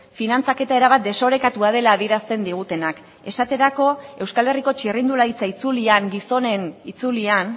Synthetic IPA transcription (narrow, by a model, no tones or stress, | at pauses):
finant͡sake̞t̪ae̞ɾaβ̞at̪̚d̪e̞so̞ɾe̞kat̪uað̞e̞laːðieɾast̪e̞nd̪iɣ̞ut̪e̞nak | e̞sat̪e̞ɾako̞e̞wskale̞riko̞t͡ʃirind̪ulait͡sait͡suliaŋɡiso̞nenit͡sulian